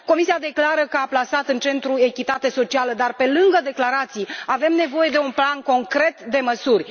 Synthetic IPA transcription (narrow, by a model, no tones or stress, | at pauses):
ko̞misiad̪e̞klaɾəkəaplasat̪ɨnt͡ʃe̞nt̪ɾue̞kʲit̪at̪e̞so̞t͡ʃialəd̪arpe̞lɨŋɡəd̪e̞klaɾat̪sijave̞mne̞vo̞je̞d̪e̞unplanko̞ŋkɾe̞t̪d̪e̞məsurʲ